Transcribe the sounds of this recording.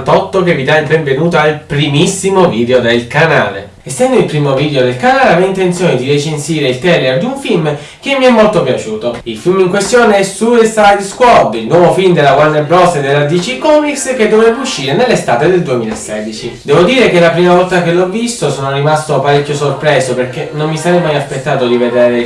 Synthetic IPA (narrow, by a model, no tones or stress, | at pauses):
t̪ɔt̪ːokevid̪ajbɛɱvenuːt̪oalpɾimisːimoviːd̪eod̪elkana̰ːlḛ | esːɛnd̪oilpɾiːmovid̪ejod̪elkanaːleavɛjint̪eint̪sjoːned̪iɾet͡ʃensiːɾeilt̪ɛlerd̪iuɱfilm | k̟emːiɛmːolt̪opjat͡ʃuːt̪oilfilmiŋkwest̪joːneɛsuesajd̪skwɔd̪ilnwɔːvofilmd̪elːaɡwanːebɾɔsed̪elːad̪it͡ʃikɔːmiksked̪ːovɾɛvuʃːiːɾenelːest̪aːt̪ed̪eld̪uemiːlaesːɛd̪it͡ʃid̪ɛːvod̪iːɾekelapɾiːmavɔlt̪akelːɔvːist̪osɔːnorimast̪opaɾekʲːjosorpɾɛːsoperkenonːisaɾɛjmajaspet̪ːaːt̪od̪ived̪ɛːɾe